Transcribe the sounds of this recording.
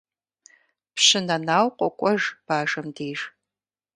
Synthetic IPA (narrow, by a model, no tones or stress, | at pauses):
pɕɪnɐnaːwqʷʼɔkʷʼɔʒb̥aːʒɐmdeːʒ